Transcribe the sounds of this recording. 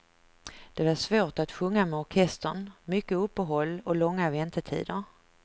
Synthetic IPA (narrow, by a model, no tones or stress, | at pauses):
d̪̥ɛvaʂvoːʈat̪ɧɵŋːamɛɔɾkʰɛst̪əɳmʏkːəɵpːəɦɔlːɔlɔŋːavɛnt̪əʈʰḭːd̪əɾ